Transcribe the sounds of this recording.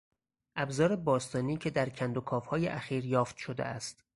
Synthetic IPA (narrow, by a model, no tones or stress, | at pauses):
ʔæbzɒːɾebɒːst̪ɒːniːcʰe̞d̪æɾcʰænd̪o̞kʰɒːfhɒːjḛʔæxiːɾjɒːft̪ʃo̞d̪ḛæst̪